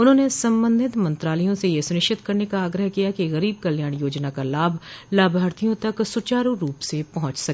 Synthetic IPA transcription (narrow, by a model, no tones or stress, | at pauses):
ʊnɦõːnesɐ̃mbə̃nd̪ʱɪt̪mɐ̃nt̪ɾaːləjõsejesʊnɪʃt͡ʃɪt̪kɐɾnekaaːɡɾəɦkijakiɣɐɾiːb̚kɐljaːɽ̃joːd͡ʒnakalaːbʱlaːbʱaːɾt̪ijõt̪ɐksʊt͡ʃaːɾuɾuːpsepɐɦʊ̃t͡ʃsɐkː